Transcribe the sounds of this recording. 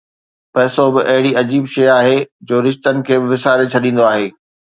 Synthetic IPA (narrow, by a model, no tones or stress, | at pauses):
pɛːsobɪʔɐɦɪɽiɐd͡ʑiːbʃejaːɦed͡ʑoːɾɪʃt̪ənɪ̆kʰeːbɪʋɪsaːɾet͡ɕʰɐɗĩːn̆d̪oaːɦeː